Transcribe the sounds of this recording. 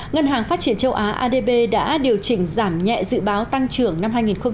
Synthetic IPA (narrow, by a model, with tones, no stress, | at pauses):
ŋə˧nɦaː˨˩ŋfaː˦˥t̚t͡ɕi˧˩ənt͡ɕə˧wʔaː˨˦ʔaː˧ɗe˧ɓe˧ɗa̰ː˧˥ɗi˨˩əwt͡ɕï˧˩ŋ̟zaː˧˩mɲɛ̰˧˨zɨ̰˧˥ɓaː˨˦wt̪a˧ŋt͡ɕɨ˧˩əŋna˧mɦaː˧jŋi˨˩nxə˧ŋ͡m